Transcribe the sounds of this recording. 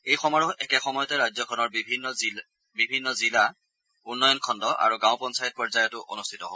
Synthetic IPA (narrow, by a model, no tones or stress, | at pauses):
ejxɔmɔɹʊɛkɛxɔmɔjɔtɛɹazɔkʰɔnɔɹbʱinːɔi | bibʱinːɔzila | unːɔjɔnkʰɔndɔʔa̰ɹuɡãʊ̃pɔnsajɔt̚pɔɹzajɔtʊʔo̰nustʰitɔɦɔ